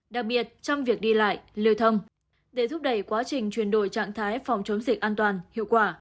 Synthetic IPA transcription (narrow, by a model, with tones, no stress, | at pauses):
ɗa˨˩k̚ɓi˨˩ət̚t͡ɕɔ˧wŋ͡mvi˨˩ək̚ɗi˧la̰ː˧˨jʔli˧əwt̪ʰə˧wŋ͡m | ɗe˧˩t̪ʰʊ˦˥p̚ɗə˧˩jkwaː˨˦t͡ɕï˨˩ŋ̟t͡ɕwi˧˩ənɗo˧˩jt͡ɕa̰ː˧˨ŋt̪ʰaː˨˦jfɔ˨˩wŋ͡mt͡ɕə˨˦ŋ͡mzi˨˩k̚ʔaː˧nt̪waː˨˩nhḭ˧˨wkwaː˧˩